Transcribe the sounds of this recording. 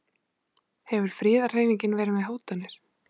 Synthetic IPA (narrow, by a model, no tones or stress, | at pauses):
hɛvʏɾ̥fɾɪːðar̥eːjviɲcɪnvɛːɾɪmɛðɦoːwt̪anːɪɾ̥